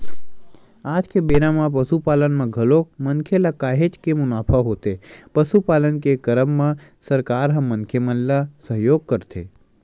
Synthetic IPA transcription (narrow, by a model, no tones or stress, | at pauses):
aːd͡ʒkebeːɾãmãpəsupaːlənmãɡʱɐlokmənkʰelakaːɦet͡ʃkemʊnaːpʰaɦoːt̪epəsupaːlənkekəɾəmːãsəɾkaːɾɦə̃mːənkʰemənlasəɦjoːɡ̚kəɾt̪ʰḛː